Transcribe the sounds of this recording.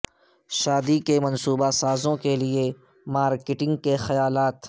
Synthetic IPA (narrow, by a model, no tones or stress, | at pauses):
ʃaːd̪ikemɐ̃nsuːbasaːzõkelie | maːɾkɪʈɪ̃ŋɡ̚kexɐjaːlaːt̪